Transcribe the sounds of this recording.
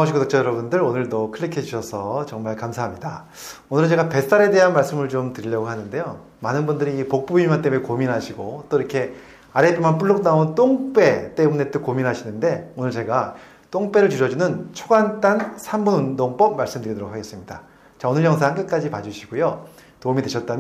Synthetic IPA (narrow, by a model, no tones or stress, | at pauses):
aoɕʰiɡonok̚t͡ɕ͈ʰʌjʌɾʌbundɯɾonɯɭtokʰɯɭːikʰed͡ʑuɕʰʌsʰʌt͡ɕʌŋmaɭkamsʰaɦamɲida | onɯɾt͡ɕe̞ɡape̞s͈aɾe̞de̞ɦanmaɭs͈ɯmɯɭt͡ɕomtɯɾiʎjʌɡohanɯnde̞jo | manɯnbundɯɾiːpok̚p͈uimant͈e̞munekominɦaɕʰiɡot͈oiɾʌkʰe̞ | aɾetʰomanp͈ʰuɭːok̚naont͈oŋp͈e̞t͈e̞mune̞t͈okominɦaɕʰinɯnde̞onɯɭt͡ɕe̞ɡa | t͈oŋp͈e̞ɾɯɭt͡ɕuɕʰʌd͡ʑunɯnt͡ɕʰoɡant͈ansʰambunundoŋp͈ʌp̚maɭs͈ɯmdɯɾidoɾokʰaɡe̞s͈ɯmɲida | t͡ɕaonɯɭjʌŋsʰaɦankɯk͈ad͡ʑipad͡ʑuɕʰiɡojo | toumideɕʰʌt̚t͈am